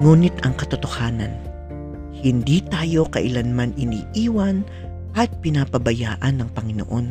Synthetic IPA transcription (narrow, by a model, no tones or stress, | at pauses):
ŋuːnɪt̪ɐŋkɐt̪ot̪o̞haːnɐ̰n | hɪnd̪iːt̪aːjo̞kɐʔɪlanmanɪniːʔiːwɐn | ʔɐt̪̚pɪnapɐbɐjaːʔɐnːɐŋpɐŋɪno̰ʔo̞n